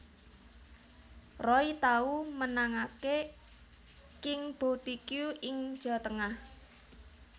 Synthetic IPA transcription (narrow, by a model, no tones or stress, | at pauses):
rɔit̪aumənaŋake | kɪŋb̥ot̪ikjuʔɪŋd̥ʒ̥ɔ̤t̪əŋah